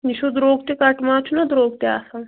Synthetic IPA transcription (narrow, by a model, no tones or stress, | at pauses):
niʃud̪ɾoːɡt̪ekɐʈmãːt͡ʃʰunɐd̪ɾoːɡt̪ea̰ːsã